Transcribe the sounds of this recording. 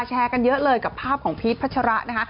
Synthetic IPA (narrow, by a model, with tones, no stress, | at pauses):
t͡ɕʰɛː˧ka˧njɤ˦˥ʔlɤː˧jka˨˩pʰːaː˥˩p̚kʰɔː˩˦ŋpʰiː˦˥t̪pʰa˦˥t̪̚t͡ɕʰa˧ɾa˦˥ʔna˦˥kʰa˦˥ʔ